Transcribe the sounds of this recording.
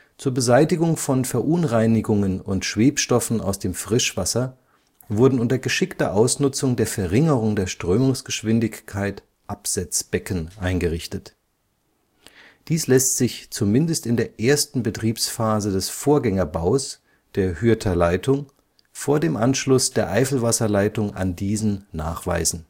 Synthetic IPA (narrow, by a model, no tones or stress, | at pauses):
t͡suːɐbəzaɪtɪɡʊŋfɔnfɛɐʔʊnʁaɪnɪɡʊŋənʊntʃv̥eːpʃtɔfn̩a̰ʊsd̥eːmfʁ̥ɪʃv̥asɐ | vʊɐdn̩ʊntɐɡəʃɪktɐ̰ʔaʊsnʊt͡sʊŋdeːɐfɛɐʁɪŋəʁʊŋdeːɐʃtʁ̥øːmʊŋsɡ̥əʃv̥ɪndɪçkʰaɪt | ʔapz̥at͡sb̥ɛkn̩ʔaɪnɡəʁɪçtət | d̥iːslɛstz̥ɪçt͡sumɪndəstɪndeːɐʔeːɐstn̩bətʁ̥iːpsfaːzədɛsfoːɐɡɛŋɐbaʊs | d̥eːɐhyɐtʰɐlaɪtʰʊŋ | foːɐdeːmʔanʃlʊsd̥eːɐʔaɪfl̩vasɐlaɪtʊŋa̰ndiːzn̩na̰ːχv̥a̰ɪzn̩